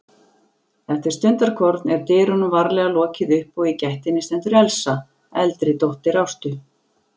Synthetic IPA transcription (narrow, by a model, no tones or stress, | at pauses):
θɛht̪ɪ̥st̪ʏnt̪aɾkʰɔɾt̪nɛɾ̥t̪ɪːɾʏnʏvaɾlɛɣalɔːcɪðʏhpɔɣicɛht̪ɪnːɪst̪ɛnt̪ʏɾɛlsa | ɛlt̪ɾɪt̪owht̪ɪɾawst̪ʏ